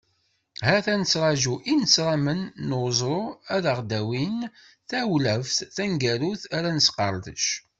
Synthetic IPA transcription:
hæθænət͡sːɾˤɑʒuʔinət͡sːɾˤɑmənːəwzˤɾˤoæðəʁd̪æwin | θæwlæfθθænɡæɾuθæɾænəsqɑ̰ɾˤðə̰ʃ

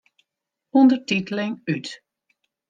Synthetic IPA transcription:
undərtitəlɪŋyt

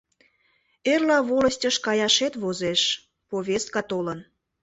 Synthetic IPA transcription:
erlɑβolə̆sʲtʲəʃkɑjɑʃet̪βozeʃ | poβʲest̪̚kɑt̪olən

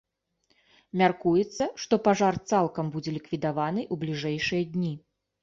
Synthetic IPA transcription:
mʲarkujɛt̪sːɐʂt̪ɔpaʐart̪salˠkɐmbud͡zʲɛlʲikvʲid̪avanɨʔublʲiʐɛjʂɨjɐd̪ʲnʲi

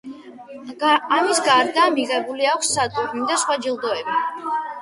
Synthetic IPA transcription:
amisɡaɾd̪aːmiʁɛbuliakʷʰsːad̪ʼuɾnid̪asχwad͡ʒilˠd̪ɔɛbi

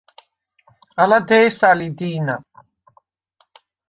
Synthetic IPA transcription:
ɐlad̪ejsalid̪iːna

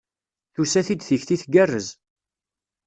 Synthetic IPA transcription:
θusæθid̪θəçθiθɡærːəz

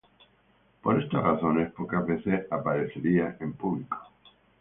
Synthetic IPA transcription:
poɾest̪a̰raθo̞nespokazβeθesapaɾeθeɾiaʔempuβliko

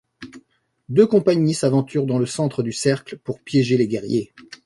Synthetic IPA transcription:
d̪økɔ̃paɲmisavɑ̃t̪yʁd̪ɑ̃ləsɑ̃t̪χəd̪ysɛʁklpuʁpjɛʒeleɡʲɛʁje

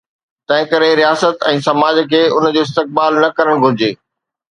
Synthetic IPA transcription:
t̪ɐ̃ɦɪ̃kɐɾeɾijaːsət̪ɛ̃ːsɐmaːd͡ʑkʰeːʊnəd͡ʑoːɪs̬t̪ɪk̚baːlnɐkɐɾəɽ̃ɡʱʊɾɪd͡ʑeː

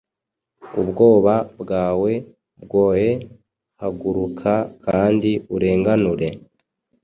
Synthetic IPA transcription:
ubɡo̞ːβabɡaːwe̞ | bɡo̞ːhe̞ | haɡuɾukʰakʰaːndiuɾe̞ːŋɡanuɾe̞

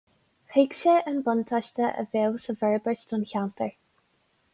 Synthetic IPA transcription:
hekʃəʔənbʊnt̪ʰaʃtəʔə̰veːwsəvɛɹbəɹstʊnçant̪əɹ

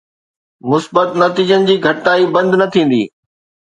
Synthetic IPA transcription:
mʊsbət̪nɐt̪iːd͡ʑənɪ̆d͡ʑiːɡʱɐʈnaːibɐ̃nd̪ʱnɐt̪ʰĩːn̆d̪ḭː

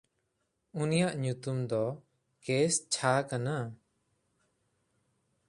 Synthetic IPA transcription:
unijaʔɲut̪umd̪ɔ | kest͡ʃʰakana

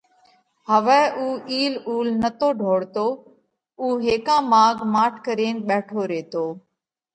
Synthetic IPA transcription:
həʋɛːʔuːʔiːluːlnət̪oːɖʱoːɽt̪oː | uːɦeːkãːmaːɡʱmaːʈʰkəɾeːnɓɛːʈʰoːɾeːt̪oː

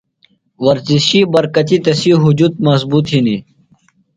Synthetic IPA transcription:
wɐɾziɕibɐɾkɐt̪it̪ɐsiɦud͡ʑuːt̪̚mɐzbuːt̪ɦini

